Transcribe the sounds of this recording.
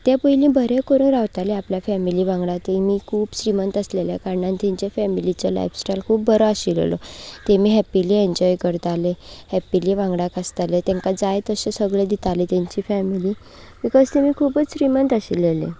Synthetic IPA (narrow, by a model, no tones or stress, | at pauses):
t̪japəilĩbʱəɾekəɾuːnɾaʋt̪aleapljafɛmiliːʋãŋɡɽat̪imiːkʰuːpsɾimənt̪asleljakaɾɳãnt̪ɛ̃ɲt͡ɕafɛmilit͡ɕala̰jfsʈajlkʰuːp̚bəɾɔaɕil̰lɔ̰t̪emiːɦɛpilieɲd͡ʑɔjkəɾt̪alehɛpileʋãŋɡɽakast̪alet̪ɛ̃ŋkad͡zajt̪əsesəɡɭed̪it̪alit̪jãɲt͡ɕiːfɛmili | ʋikəst̪emiːkʰuːpət͡ssɾimənt̪asilelḛ